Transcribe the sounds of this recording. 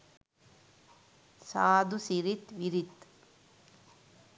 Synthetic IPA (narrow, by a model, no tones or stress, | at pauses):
saːd̪usiɾit̪ʋiɾit̪